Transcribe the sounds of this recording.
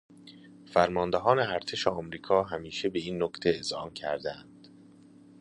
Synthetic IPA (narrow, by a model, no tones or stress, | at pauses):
fæɾmɒːnd̪eɦɒːneæɾt̪ʰeʃeɒːmɾiːkʰɒːɦæmiːʃe̞be̞iːnːokt̪ʰeezhɒːmcʰæ̰ɾd̪æænd̪̥